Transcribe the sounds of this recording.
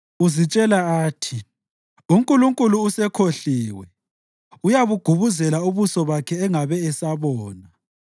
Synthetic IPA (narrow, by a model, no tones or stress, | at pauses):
uzit͡ʃʼɛlaaːtʰi | uŋkʼuluŋkʼuluːsɛkʰoɬiːwɛ | ujaβuɡ̥ʱuβuzɛlauβusɔβakʰɛːŋaβɛːsaβɔːna